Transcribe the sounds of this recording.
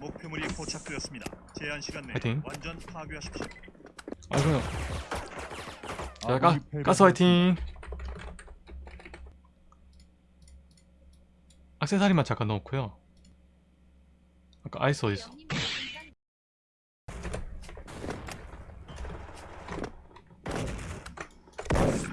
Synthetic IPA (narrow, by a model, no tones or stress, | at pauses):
mok̚pʰemuɾikʰot͡ɕʰak̚t͈ɯjʌs͈ɯmɲida̰t͡ɕeɦanɕʰiɡanːeaitʰiŋwand͡ʑʌnpʰaɡoaɕʰi̥k̚ɕ͈i | a̰kɯo | ak͈ak͈as͈ʰɯajtʰiŋ | ak̚sʰesʰaɾimat͡ɕak͈anookʰujo | ak͈a̰ʔa̰is͈ʌis͈o̥